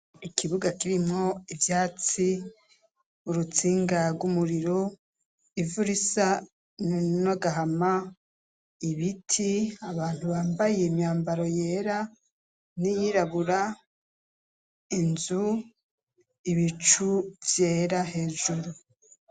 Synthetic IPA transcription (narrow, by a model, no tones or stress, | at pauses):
ikʰiβuɡakiɾimŋo̞ivjaːt͡si | uɾut͡siːŋɡaɾɡumuɾiɾo | ivuɾisa | nnoɡaɦama | iβitʰiaβaːn̥huβaːmbajemɲaːmbaɾo̞jeːɾa | nijiɾaβuɾa | inzu | iβit͡ʃuvje̞ːɾahe̞ːʒuɾu